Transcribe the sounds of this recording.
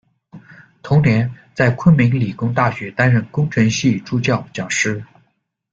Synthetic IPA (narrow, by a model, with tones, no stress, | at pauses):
t̪ʰʊ˧˥ŋnjɛ˧˥nt͡sa˥˩ɪkʰwə˥nmi˧˥ŋli˨˩kʊ˥ŋt̪a˥˩ɕɥɛ˧˥t̪a˥nɻə˥˩nkʊ˥ŋʈ͡ʂʰə˧˥ŋɕi˥˩ʈ͡ʂu˥˧t͡ɕjɑ˥˩ʊt͡ɕjɑ˨˩ŋʂɻ̩˥